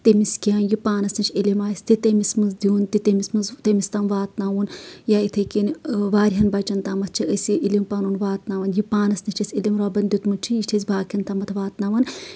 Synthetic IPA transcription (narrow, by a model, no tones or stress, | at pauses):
t̪emiskiɐnjipaːnɐsnɐt͡ʃʰilʲimaːsʲt̪it̪emismɨzd̪iunt̪it̪emismɨzt̪emist̪amʋaːt̪naːʋunjait̪ʰekinʋaːɾʲɦɐnbɐt͡ʃɐnt̪amɐt̪̚ʰt͡ʃʰiəsiʔilimpaːnuːnʋaːt̪naːʋɐnjipaːnɐsnit͡ʃʰɐsʲilimɾaːbɐnd̪it̪mut͡ʃʰijit͡ʃʲʰezʲbaːkʰʲɐnt̪amɐt̪ʰʋaːt̪naːʋɐn